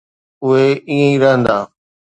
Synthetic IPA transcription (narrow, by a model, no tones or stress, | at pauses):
ʊɦeiːə̃ĩɾɐɦə̃nd̪aː